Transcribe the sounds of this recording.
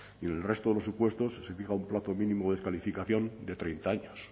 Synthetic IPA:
iene̞lre̞st̪oðe̞lo̞supwe̞st̪o̞sːe̞fixaumplaθo̞mĩnĩmoðeskalifikaθjõ̞nd̪e̞t̪ɾejnt̪aaɲos

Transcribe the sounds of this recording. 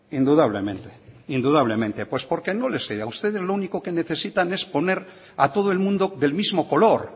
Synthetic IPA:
ind̪uðaβlemẽnt̪eind̪uðaβle̞mẽ̞nt̪e̞pwe̞spo̞ɾkeno̞leseaust̪e̞ð̞e̞zlouniko̞ke̞ne̞θe̞sit̪ane̞spo̞ne̞ɾ | at̪o̞ð̞oe̞lmũnd̪o̞ðe̞lmizmoko̞lo̞ɾ

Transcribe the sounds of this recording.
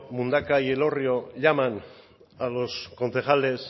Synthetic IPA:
mund̪akaje̞lo̞rio̞ʎaman | alo̞sko̞nθe̞xale̞s

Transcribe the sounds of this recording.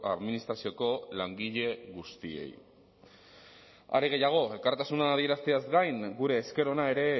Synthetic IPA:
a̰ðminist̪ɾasio̞ko̞laŋɡiʎe̞ɣust̪ie̞̰j | a̰ɾeɣe̞jaɣ̞o̞e̞lkaɾt̪asunaːðie̞ɾast̪eazɡajŋɡuɾe̞ːske̞ɾo̞nae̞ɾe̞

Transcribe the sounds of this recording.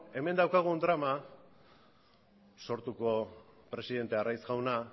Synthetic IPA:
e̞me̞nd̪awkaɣ̞und̪ɾama | so̞ɾt̪uko̞pɾe̞siðe̞nt̪earajsɣawna

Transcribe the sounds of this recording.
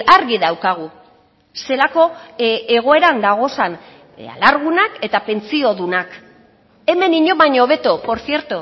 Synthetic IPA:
aɾɣiðawkaɣ̞u | se̞lako̞eɣ̞o̞e̞ɾand̪aɣ̞o̞san | a̰laɾɣ̞unake̞t̪ape̞nt͡sio̞ðunak | e̞me̞niɲo̞βaɲoβ̞e̞t̪opo̞ɾθje̞ɾt̪o

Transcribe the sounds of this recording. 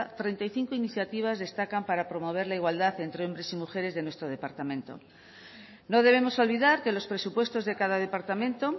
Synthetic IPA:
t̪ɾe̞nt̪ajθiŋkoiniθjat̪iβ̞azðe̞st̪akampaɾapɾo̞mo̞β̞e̞ɾlaiɣwald̪aθe̞nt̪ɾeo̞mbɾe̞simuxe̞ɾe̞zðe̞nwest̪ɾoðe̞paɾt̪amẽnt̪o̰ | noðe̞βemo̞so̞lβiðaɾke̞lo̞spɾe̞supwe̞st̪o̞zðe̞kaðaðe̞paɾt̪amẽnt̪o

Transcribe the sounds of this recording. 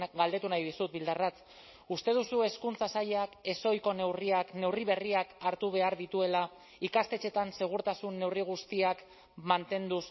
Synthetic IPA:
ɡald̪e̞t̪unajðisut̪̚bild̪arat͡s | ust̪e̞ð̞usue̞skunt͡sasaʎake̞so̞jko̞ne̞wriakne̞wriβ̞e̞riakaɾt̪uβ̞e̞aɾðit̪ue̞la | ikast̪e̞t͡ʃe̞t̪anse̞ɣ̞uɾt̪asunːe̞wriɣ̞ust̪iak | mant̪e̞nd̪us

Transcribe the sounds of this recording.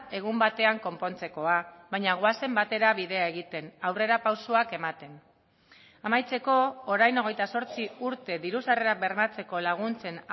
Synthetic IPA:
e̞ɣumbat̪e̞aŋko̞mpo̞nt͡se̞ko̞aβajɲaɣ̞oase̞mbat̪e̞ɾaβiðe̞ae̞ɣit̪e̞nawre̞ɾapawsoake̞mat̪e̞n | amajt͡se̞ko̞ːɾajno̞ɣ̞ejt̪aso̞ɾt͡siuɾt̪e̞ðiɾusareɾabe̞ɾmat͡se̞ko̞laɣ̞unt͡se̞n

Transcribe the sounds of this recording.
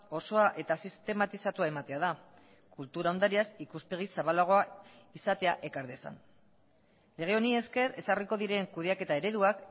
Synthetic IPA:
o̞so̞aʔe̞t̪asist̪e̞mat̪isat̪uae̞mat̪e̞aða | kult̪uɾaond̪aɾiasikuspe̞ɣisaβalaɣ̞o̞a | isat̪e̞aʔe̞kaɾðesa̰n | le̞ɣ̞e̞o̞nie̞ske̞re̞sariko̞ðiɾe̞ŋkuðe̞ake̞t̪ae̞ɾe̞ðuak

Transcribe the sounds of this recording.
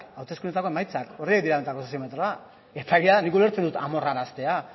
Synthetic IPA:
kawt̪eskunet̪akoemajt͡sako̞riek̚d̪iɾaet̪akoosiomet̪ɾoa | ep̪ʰaɣiaðanikuleɾt͡send̪ut̪a̰mo̞raɾast̪e̞a

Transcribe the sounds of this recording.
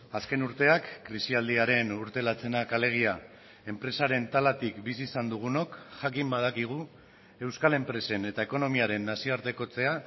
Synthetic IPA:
aske̞nuɾt̪e̞akːɾisiald̪iaɾe̞nuɾt̪e̞lat͡se̞nakale̞ɣ̞ia | e̞mpɾe̞saɾe̞nt̪alat̪ikbisisand̪uɣ̞uno̞kʝakimbað̞akiɣ̞u | e̞wskale̞mpɾe̞se̞ne̞t̪ae̞ko̞no̞miaɾe̞nːasio̞aɾt̪e̞ko̞t͡se̞a

